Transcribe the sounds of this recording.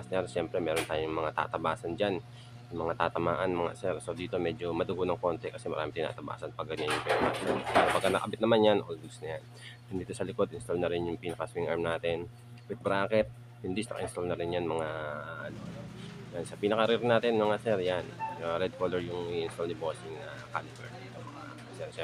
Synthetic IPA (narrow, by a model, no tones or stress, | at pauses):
snɛɾʃɛmpɾɛmɛːɾo̞nt̪aːjʊŋmɐŋat̪a̰ːt̪ɐbaːsɐnd͡ʒan | jʊŋmɐŋat̪aːt̪ɐma̰ːʔɐnmɐŋa̰sɛɾso̞d̪iːt̪o̞mɛd͡ʒo̞mɐd̪ʊɡonɐŋko̞nt̪ɛkɐsɛmɐ̰ɾa̰ːmɪt̪ɪna̰ːt̪ɐba̰ːsɐnpɐɡɐɲanjʊŋpɛnpa̰snɐpɛːɾɐpɐɡkːɐnɐʔɐbɪt̪nɐmanjanʔolɡ̪snɐjan | ʊnd̪iːt̪o̞sɐlɪko̞d̪ʔɪnst̪olnɐɾɛnjʊŋpɪnɐkɐsmŋʔaɹmnaːt̪ɛn | bɛt̪̚bɾaːkɛt̪̚ | jʊnd̪ɪsnɐkɐʔɪnst̪olnɐɾɪnjanmɐŋaʔɐno̞ɐnojansɐpinɐkɐɾɪɾnaːt̪ɛnmɐŋasɛɾjanjʊaɾɛd̪̚koːlɛɹjʊŋiʔɪnst̪olnɪbosɪŋnɐ | kalɪbɛɹit̪oŋmɐŋa | sɛɾsɛ